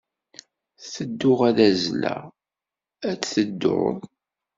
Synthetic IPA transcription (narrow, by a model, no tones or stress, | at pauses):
θəd̪ːʊʁæðæzlæ̰ | æt͡sːθəd̪ːʊ̰ʁð